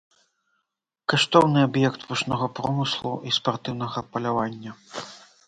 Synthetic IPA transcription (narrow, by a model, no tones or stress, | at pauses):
kaʂt̪ɔwnɨabjɛkt̪vuʂnɔɣɐpɾɔmɨslˠṵispart̪ɨwn̪ɐɣɐpɐlʲavanʲːɐ